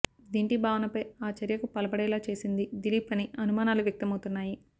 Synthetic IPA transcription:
d̪iːɳʈibʱaːʋɐnɐpɐjaːt͡ʃɐɾjɐkupɐlɐbɐɽɛːlaːt͡ʃe̞ːsind̪id̪ilipɐniɐnumaːnaːluʋjɐk̚t̪ɐmɐwt̪unːaːji

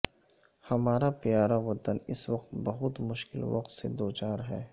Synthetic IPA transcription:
hɐmaːɾapjaːɾaʋɐt̪ənɪswɐqt̪bɐɦʊt̪mʊʃkɪlʋɐ̰qt̪sḛd̪oːt͡ʃaːɾɦɛː

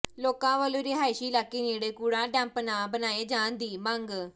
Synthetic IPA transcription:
loːkãːʋəlõːɾɪːɦaːɪʃiːlaːkːiːniːɽeːkuːɽãːɖɛ̃ːmpnaːbənaːeːd͡ʒaːnd̪iːməŋɡ

